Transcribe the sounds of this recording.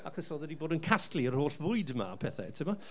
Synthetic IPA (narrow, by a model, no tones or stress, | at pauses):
akʰəsɔðədiboːdənkʰastliər̥hoːɬvʊɨdma̰pʰɛθɛ̰tʰɪma